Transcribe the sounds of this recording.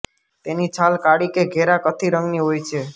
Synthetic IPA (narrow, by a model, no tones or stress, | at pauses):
t̪enit͡ʃʰalkaɽikeɡʱeɾakət̪ʰiɾəŋɡniɦojt͡ʃʰe